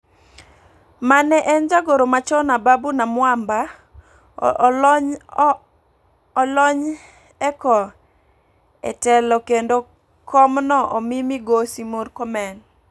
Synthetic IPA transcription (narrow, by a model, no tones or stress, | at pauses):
manɛʔɛnd͡ʒaɡoɾomat͡ʃɔnababunamwamba | lɔɲ | ɛkɔ | ɛ̰tɛlɔkendo | kʰɔmnɔʔɔmimiɡosimoɾkɔmɛn